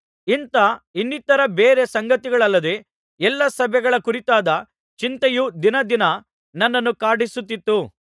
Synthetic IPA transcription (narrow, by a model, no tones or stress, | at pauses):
int̪ɐinːit̪ɐɾɐbeːɾe̞sɐŋɡɐt̪iɡɐɭɐlːɐd̪e̞ | ɛlːɐsɐbʱɛɡɐɭɐkuɾit̪aːd̪ɐ | t͡ʃint̪ɐjud̪inɐd̪inɐ | nɐnːɐnːukaːɽisut̪ːit̪ːu